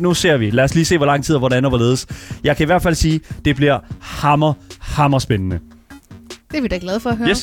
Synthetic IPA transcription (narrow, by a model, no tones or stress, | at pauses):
nuse̝ɐ̰ʋilæɐsliːse̝̰ːʋɒlɑ̈ŋ̰t͡sʰið̰ˠɐʋɒɾænɐʋɑle̝ːð̞ˠsjɑ̈ɪkʰæiʋæɐd̥fæl̰siːd̥e̝b̥liɐhɑmɐhɑ̈mɐsb̥enənə | d̥eɐʋid̥ɑɡ̥lɛð̞ˠfɒɦøjes